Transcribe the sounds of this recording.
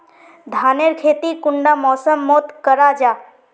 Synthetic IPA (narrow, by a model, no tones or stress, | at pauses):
d̪ʱaːneɾkʰeːt̪ikʊɳɖamɔːsəmːoːt̪kəɾad͡ʒaː